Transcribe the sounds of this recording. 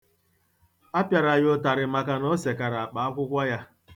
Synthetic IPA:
a˦pja˨ɾa˨jʊ˦ta˨ɾɪ˨ma˨ka˦nɔ˦se˨ka˨ɾa˨k͡pa˨a˦kʷʊ˦kʷa˦ja˦

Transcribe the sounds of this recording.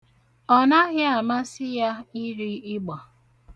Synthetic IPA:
ɔ˦na˦ɣɪ˦a˨ma˦sɪ˦ja˦ɪ˦ɾi˦ɪ˦ɡ͡bɔ˨

